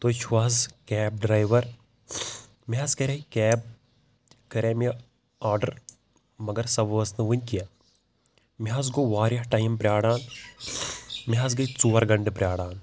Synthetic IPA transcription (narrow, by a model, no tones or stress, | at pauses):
t̪oːt͡ʃʰʋaːzkɛːb̚ɖɾaːjʋɐɾ | miɦaskɐɾʲɐkɛːb̚ | kɐɾeːmi | aːɾɖɐɾ | mɐɡɐɾsɐbʋɐsnɨʋunʲkija | miɦas̬ɡoːʋaːɾjɐhʈaːjmpɾʲjaːɽaːn | miɦaz̬ɡɐjt͡suːʋɐɾɡɐɳɖɨpɾʲjaːɽaːn